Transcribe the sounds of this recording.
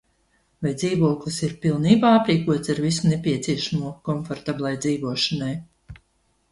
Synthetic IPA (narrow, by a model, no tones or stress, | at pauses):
vajd̪ziːvuɔklˠɨsiɾpilˠniːbaːapɾiːkuɔt̪saɾvisunepʲiɛt̪siɛʃamuɔkɔnfɔɾt̪abʲlˠajd̪ziːvuɔʃanaj